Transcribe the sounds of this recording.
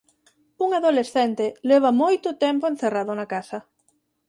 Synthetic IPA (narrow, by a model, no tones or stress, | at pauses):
uŋaðolesθɛnt̪elɛβ̞ɐmojt̪ʊt̪ɛmpʊen̟θeraðʊnakasɐ